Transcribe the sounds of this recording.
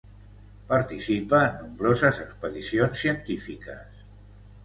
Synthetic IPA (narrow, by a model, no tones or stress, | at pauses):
paɾt̪isipəːnːumbɾozəzəkspəðisionsːiənt̪ifikəs